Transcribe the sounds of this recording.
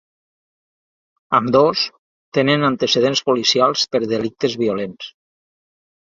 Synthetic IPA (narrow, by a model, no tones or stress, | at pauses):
əmd̪os | t̪enənənt̪eseð̞enspulisialˠspəɾðelik̚t̪əzβiulens